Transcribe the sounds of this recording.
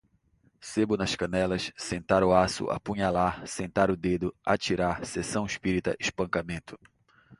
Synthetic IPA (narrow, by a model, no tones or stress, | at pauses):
sebʊnɐskɐ̃nɛlɐssẽnt̪aɾʊasʊ̰ʔa̰pũɲalaɾsẽnt̪aɾʊd̪ed̪ʊa̰t͡ʃiɾaɾsesɐ̃w̃ɪʃpiɾit̪ɐʔɪʃpɐ̃kamẽnt̪ʊ̥